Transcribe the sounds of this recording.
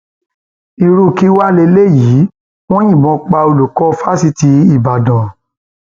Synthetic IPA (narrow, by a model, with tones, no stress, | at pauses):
i˧ɾu˧˦˨ki˦wa˦le˧le˦˨ji˨˦ | w̃ɔ̃˦j̃ĩ˦˨bɔ̃˨˦k͡pa˧o˧lu˨kɔ˧˦fa˦si˧ti˧˦i˦˨ba˨dã˨